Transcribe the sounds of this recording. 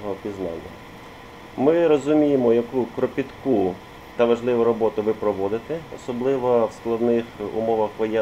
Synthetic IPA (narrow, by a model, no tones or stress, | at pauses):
ɦɔpʲiznɑ̰nʲːɐ̰ | mɪɾɔzʊmʲijɪmɔjɐkukɾɔpʲit̪ku | t̪ɐʋɐʒlˠɪʋʊɾɔbɔt̪ʊʋɪpɾɔʋɔd̪ɪt̪ɪɔsɔblˠɪʋɔwsklˠɐd̪nɪxʊ̰mɔʋɐxʋɔjɛ